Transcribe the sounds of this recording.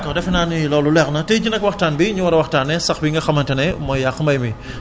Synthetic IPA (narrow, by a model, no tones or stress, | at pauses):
kɔdɛfnaːnilɔːlulɛxnɐtɛd͡ʒinɐkwɐxtaːnbiɲuwɐɾɐwɐxtaːnːɛsɐxbiŋɡɐxɐmɐntɐnɛmɔjjaxmɐjmi